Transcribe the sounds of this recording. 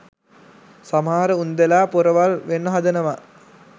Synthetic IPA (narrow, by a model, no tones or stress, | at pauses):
samaːɾəund̪elaːpuɾəʋalʋenːəɦad̪ənəʋa